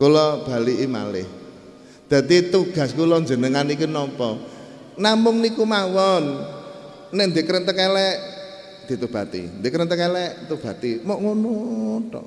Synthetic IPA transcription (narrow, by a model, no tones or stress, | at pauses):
kulɔb̥a̤liʔima̰lɪ̰h | d̪̥ä̤t̪it̪uɡ̥ä̤skulɔnd͡ʒə̤nəŋanikunɔmpɔ | namʊŋnikumawɔn | nɪʔnd̪ekəɾənt̪əkɛlɛʔ | d̪̥i̤t̪ub̥a̤t̪ḭnd̪ekəɾənt̪əkɛlɛʔt̪ub̥a̤t̪imoʔŋunut̪ɔ̰